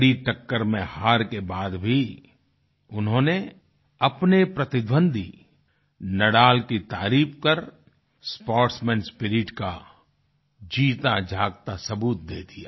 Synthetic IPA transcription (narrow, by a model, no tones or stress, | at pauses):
ɽiʈəkːəɾmẽhaːɾkebaːd̪bʱi | ʊnɦõːne | ɐpnepɾɐt̪ɪd̪bə̃nd̪ʱḭ | nɐɽaːlkit̪aːɾiːp̚kəɾ | spɔːʈsmɛ̃ːnspɪɾɪʈka̰ | d͡ʒiːt̪ad͡ʒʱaːɡ̚t̪asɐbuːt̪̚d̪eːd̪ijaː